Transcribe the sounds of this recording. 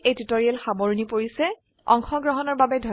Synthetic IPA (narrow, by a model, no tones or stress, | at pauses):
ejtutoɹiɛlxaboɹnipoɹisɛ | ɔ̰ŋxɔɡɹɔɦɔnɔɹbabɛdʱɔ